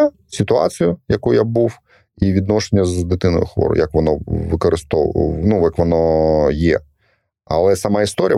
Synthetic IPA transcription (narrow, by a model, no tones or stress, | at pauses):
sʲɪt̪ʊɑ̰t͡sʲijʊjɐkujabuw | iʋʲid̪nɔʃenʲːɐzd̪ɪt̪ɪnɔ̰jʊxʋɔ̰ɾʊ̰jɐkʋɔnɔʋɪkɔɾɪst̪ɔnuʋjɐkʋɔnɔjɛ̰ | ɐ̰lˠɛsɐmɑist̪ɔɾʲjɐ